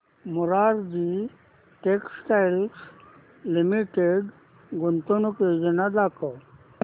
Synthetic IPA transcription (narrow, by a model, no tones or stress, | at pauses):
muɾaɾd͡ʑi | ʈeksʈajls | limiʈeɖ | ɡunt̪onuked͡ʑənad̪akɔ